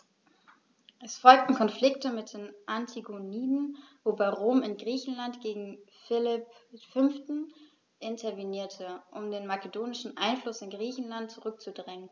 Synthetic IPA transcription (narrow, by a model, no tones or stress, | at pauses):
ʔɛsfɔlk̚tn̩kʰɔnflɪktəmɪt̚d̥eːnʔantʰiɡoniːdn̩voːbaɪʁoːmɪnɡʁiːçn̩lantɡ̥eːɡŋ̩fɪlɪpfʏnftn̩ | ʔɪntʰɐveniːɐtʰəʔʊmdeːnmakedoːnɪʃn̩ʔaɪnflʊsɪnɡʁiːçn̩lantt͡suʁʏk̚t͡sudʁɛŋən